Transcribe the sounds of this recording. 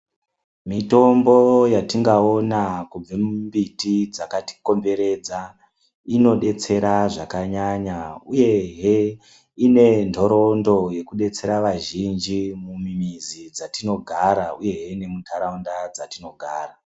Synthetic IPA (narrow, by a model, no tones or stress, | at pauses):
mito̞mbo̞jatiŋɡao̞nakub͡vemumbitid͡zakati̥ko̞mbe̞ɾe̞d͡za | ino̞ɗe̞t͡se̞ɾaʐakaɲaɲauje̞ɦe | ine̞ndʱo̞ɾo̞ndo̞je̞kuɗe̞t͡se̞ɾaʋaʒind͡ʒimumimizid͡zatino̞ɡʱaɾauje̞ɦeine̞mutʰaɾaundad͡zatino̞ɡʱaːra